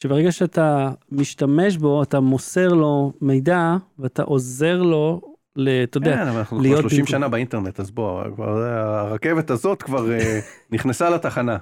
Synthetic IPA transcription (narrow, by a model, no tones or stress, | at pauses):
ʃebeeɡaʃeatamiʃtame̞ʃ̬bo̞atamo̞se̞ʁlo̞me̞jdaveata̰ʔo̞ze̞ʁlo̞ | leat̪ajodeanaanaχnulijotʃlobʃimʃanabainteʁnet̪azboa̰va̰lkva̰aːʁake̞vet̪hazo̞t̪kvaʁeniχnesalat̪aχana